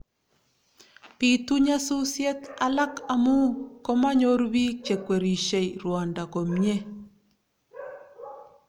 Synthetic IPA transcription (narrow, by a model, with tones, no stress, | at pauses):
pi˨tu˦ɲa˦su˦sjɛ˦t̪a˨la˦ka˨mu˦ko˦ma˦ɲo˦ɾbi˦t͡ʃe˨kwe˨ɾi˨ʃe˨i˨ɾwa˨nda˨ko˨mɲe˦